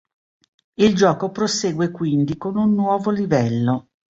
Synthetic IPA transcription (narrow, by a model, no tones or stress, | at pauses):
ild͡ʒɔːkopɾoseːɡwekwind̪ikonunːwɔːvolivɛlːo